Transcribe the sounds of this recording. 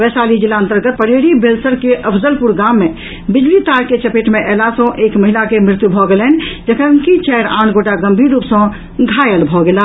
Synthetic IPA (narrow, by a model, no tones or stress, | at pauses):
ʋɛsalid͡ʒilːaənt̪əɾɡət̪̚pəɽeɽibʱelsəɾkeʔəpʰzəlpuɾɡamːe | bid͡ʒlit̪aɾket͡ʃəpeʈmeʔɛlasə̃ʔekməɦilakemɾɪt̪jubʱɔɡelɛn̆d͡ʒəkʰəŋkit͡ʃɛɾãːnɡoʈaɡəmbʱiɾːupsə̃ | ɡʱajəlbʱɔɡela